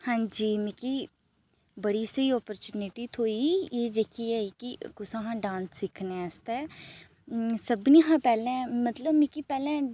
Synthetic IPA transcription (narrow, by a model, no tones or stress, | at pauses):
hãːɲd͡ʒiːmɪkiː | bəɽiːsəiːɔːpəɾt͡ʃuːnɪʈiːt̪ʰoːijeːd̪ekʰiːɛːikɪkʊsãːɦãːɖãːnssɪkʰnest̪ɛː | səbniːɦãːpɛːlɛ̃ːmət̪ləbmɪkipɛːlɛ̃ː